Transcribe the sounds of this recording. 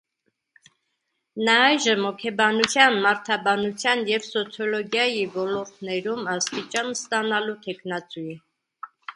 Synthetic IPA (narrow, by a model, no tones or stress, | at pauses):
nɑɑjʒəmɔkʰɛbɑnut͡sʰjɑnmɑɾt̪ʰɑbɑnut͡sʰjɑnjɛvsɔt͡sʰjɔlɔɡjɑjivɔlɔɾt̪ʰnɛɾumɑst̪it͡ʃɑnst̪ɑnɑlut̪ʰɛkʰnɑt͡sujɛ